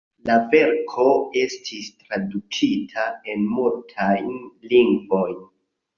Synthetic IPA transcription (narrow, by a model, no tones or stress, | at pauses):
lave̞ɾkʰo̞e̞stʰistɾadut͡ʃitʰae̞nmultʰajnliŋɡvo̞jn